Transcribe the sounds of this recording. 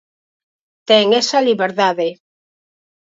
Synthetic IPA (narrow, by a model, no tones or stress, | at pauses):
t̪ɛŋesaliβeɾðaðe